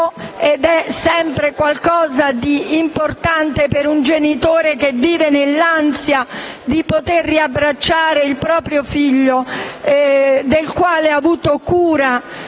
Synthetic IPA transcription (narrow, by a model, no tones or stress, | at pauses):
ed̪ɛsɛmpɾekwalkɔːzad̪iːmport̪ant̪epeɾund͡ʒenit̪oːɾekevːiːvenelːansjad̪ipot̪erːiabːɾat͡ʃːaːɾeilpɾɔːpɾjofiʎːo | d̪elkwaːleavuːt̪okuːɾa